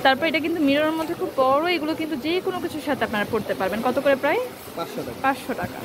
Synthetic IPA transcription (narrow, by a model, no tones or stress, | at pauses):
t̪aɾpɔɾeeʈak̬int̪umiɾonoɾmod̪ʱːekʰubːɔɾoeɡulokint̪ud͡ʑekonokit͡ɕʰuʃat̪apnaɾapoɾt̪epaɾbenkɔt̪okoɾepɾaj | paʃʃoʈa̰kapãsʃʃoʈaka̰